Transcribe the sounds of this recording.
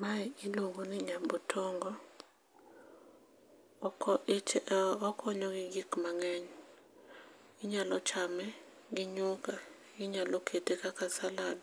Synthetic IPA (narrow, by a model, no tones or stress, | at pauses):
maiiloŋɡuniɲabutʰɔŋɡɔ | ɔkʰɔɲɔɡiɡikmaŋɛɲɔ | iɲalɔt͡ʃʰamɛ | ɡiɲuka | ɡiɲalɔkʰetekakasalanɔ